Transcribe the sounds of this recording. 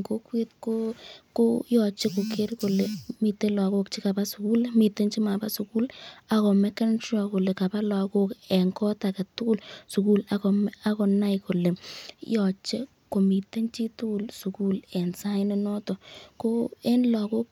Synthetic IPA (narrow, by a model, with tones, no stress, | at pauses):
ŋko˦kwe˦t̚ko˦ko˦jɔ˨t͡ʃe˦ko˨kʰe˦ɾko˨le˨mi˨te˦la˨ko˦k̚t͡ʃi˦ka˨ba˦su˨ku˦lmi˨te˦nt͡ʃi˦ma˨ba˦su˨ku˦la˨kɔ˨mɛ˦ka˦ntrɔ˨ko˨le˨ka˨pa˦la˨ko˦kɛ˨ŋkɔ˦ta˨kɛ˨tu˦ku˦lsu˨ku˦la˨kɔ˨ma˦kɔ˨na˦jko˨le˨jɔ˨t͡ʃe˦ | ko˨mi˨te˦nt͡ʃi˦tu˦ku˦˨lsu˨ku˦lɛ˨nsa˦ɪ˦ne˦nɔ˦tɔ˨ko˦ɛ˦nla˨ko˦k̚